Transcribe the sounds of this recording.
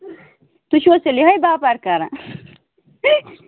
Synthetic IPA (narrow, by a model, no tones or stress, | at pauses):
t̪uɕoseliɦɐjbaːpaɾkaɾã̰